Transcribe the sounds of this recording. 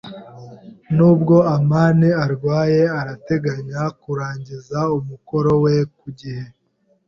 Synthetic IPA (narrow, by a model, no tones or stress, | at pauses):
nuːbɡo̞amaːniaɾɡwaːje̞aɾate̞ɡaɲakuɾaːɲɟizaumuko̞ɾo̞we̞kuɟihe